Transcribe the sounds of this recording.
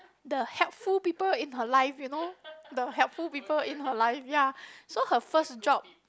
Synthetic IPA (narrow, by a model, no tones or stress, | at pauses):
dəhɛlpfulpipəlĩnɦəlaɪfjunodəhɛlpfulpipəlĩnhəlaɪfjasohəfəsd͡ʒɔp̚